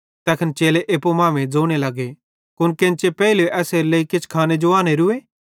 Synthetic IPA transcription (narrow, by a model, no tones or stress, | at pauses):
t̪ɛːkʰənt͡ʃeːleʔeːpomãːʋẽd͡zoːɽ̃elɐɡe | kʊnkẽnt͡ʃepɛːiloʔɛːseɾleikɪt͡ʃʰkʰaːned͡ʒoaːñeɾʊeː